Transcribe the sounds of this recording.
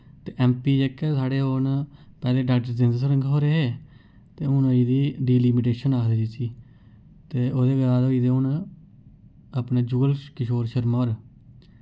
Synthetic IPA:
t̪eːʔɛːmpiːd͡ʒekːesaːɽeːɦoːnpɛːlẽːɖaʈd̪ɪnd̪səɾəŋɡɦoːɾeːeː | t̪eːʊnoːid̪iːɖiːliːmɪʈeːʃənaːkʰd̪eːd͡ʒiːsiː | t̪eːoːd̪eːɡəɾaːd̪oːid̪eːʊn | apneːd͡ʒuːɡəlkɪʃoːɾʃəɾmaːɾ

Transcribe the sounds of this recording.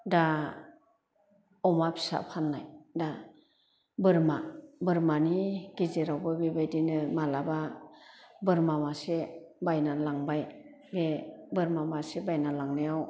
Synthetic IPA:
da | ɔmapʰi̥sa̰pʰanːajda | bɯɾmabɯɾmaniɡ̥izeɾawbɯbebajdinɯmalaba | bɯɾmamasebajnalaŋbaj | bebɯɾmamasebajnalaŋnejaw

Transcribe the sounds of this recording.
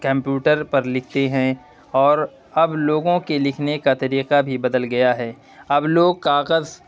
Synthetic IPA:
kɐ̃mpjuːʈəɾpɐɾlɪkʰt̪eɦɛ̃ | ɔːɾ | ɐbloːɡõkelɪkʰnekat̪ɐɾiːqabʱibɐd̪əlɡɐjaɦɛː | ɐbloːɡ̚k̪aːɣəz

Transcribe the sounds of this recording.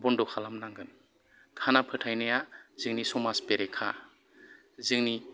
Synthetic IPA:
bɔndɔkʰalamnaŋɡɯn | kʰanapʰɯtʰajnajaz̥ɯŋnisɔmaspeɾekʰa̰ | zɯŋni

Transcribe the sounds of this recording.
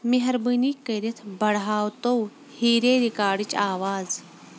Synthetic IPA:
miɦɐɾbɨnikəɾit̪ʰbɐɽɦaːwt̪ow | hiːɾeːɾikaːɖit͡ʃaːʋaːz

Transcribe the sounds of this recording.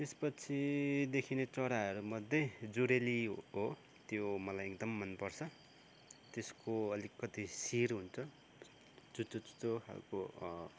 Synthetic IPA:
t̪espʌt͡sʰid̪ekʰinet͡sʌɾaɦʌɾumʌd̪ʱːjʌjd͡zuɾeliɦo | t̪jomʌlajek̚d̪ʌmːʌnpʌrt͡sʰʌ | t̪eskoʌlikːʌt̪isiɾɦunt͡sʰʌ | t͡sut͡sot͡su̥t͡soha̰lko

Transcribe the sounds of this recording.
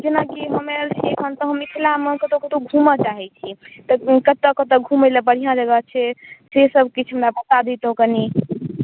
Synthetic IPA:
d͡ʒenakiɦəmeəlt͡ʃʰiekʰənt̪ɔɦəmikʰlamekət̪okət̪oɡʱumət͡ʃaɦɛt͡ʃʰit̪ɔkət̪əkət̪əɡʱumeləbəɽ̤ijãd͡ʒəɡət͡ʃʰɛsesəbkit͡ʃʰɦəmɾabət̪ad̪it̪okəni

